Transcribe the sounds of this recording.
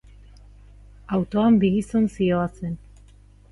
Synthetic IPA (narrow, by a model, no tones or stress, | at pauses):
awt̪o̞ambiɣisonsio̞asen